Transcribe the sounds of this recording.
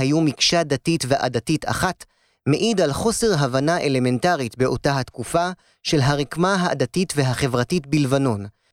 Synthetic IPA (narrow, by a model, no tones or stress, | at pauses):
ajumikʃadatitveʔa̰datitʰa̰χat | me̞ʔidalχo̞se̞ʁɦavanaʔe̞le̞me̞ntaʁitbe̞o̞taɦat̪kufa | ʃe̞lɦaʁikmaɦaa̰datitve̞ɦaχe̞vʁatitbilvano̞n